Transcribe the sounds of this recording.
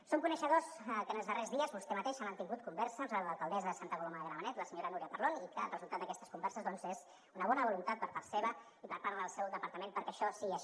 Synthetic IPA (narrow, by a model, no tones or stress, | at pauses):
soŋkunəʃəðoskənəlˠzðərezðiəzβust̪ɛmət̪eʃanənt̪iŋɡut̪̚kumbɛɾsəzləlˠkəlˠd̪ɛzəðəsant̪əkuloməðəɣɾəmənɛt̪ləsəɲoɾənuɾiəpəɾlonikə̰lrəzulˠt̪at̪d̪əkɛst̪əskumbɛɾsəzðɔnzez | unəβɔnəβulunt̪at̪̚pəɾpaɾseβə | ipəɾpaɾləðəlˠsɛwðəpəɾt̪əmenpəɾkɛʃɔsiə